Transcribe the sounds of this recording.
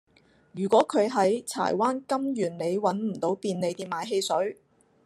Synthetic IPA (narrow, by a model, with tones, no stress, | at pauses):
jyː˨˩kʷɔː˨˥kʰɵ˨˧ɥɦɐ˨˥jt͡sʰa̰ː˨˩jwaː˥nkɐ˥mjyː˨˩nne˨˧jwɐ˨˥nm̩˨˩t̪o˨˥wpiː˧nle˨˧jt̪iː˥maː˨˥jɦe˧jsɵ˨˥ɥ